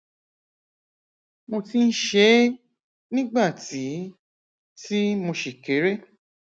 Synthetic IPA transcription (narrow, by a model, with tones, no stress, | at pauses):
mo˧ti˧n̩˦ʃe˧˦ | nĩ˦ɡ͡ba˦˨ti˨˦ | ti˦mõ˧ʃe˨ke˨˦ɾe˦